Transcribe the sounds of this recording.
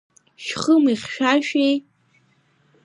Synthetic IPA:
ʃχəmiχʃᶣaʃᶣej

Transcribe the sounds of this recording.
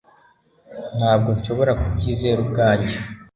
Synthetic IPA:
n̥haːb̚ɡo̞nʃo̞βo̞ɾakubɟiːze̞ːɾubɡaːɲɟe

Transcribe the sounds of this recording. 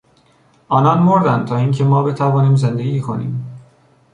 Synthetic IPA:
ʔɒːnɒːnmoɾd̪ænt̪ʰɒːiːŋcʰe̞mɒːbe̞t̪ʰævɒːniːmze̞nd̪eɡiːkʰo̞nḭːm

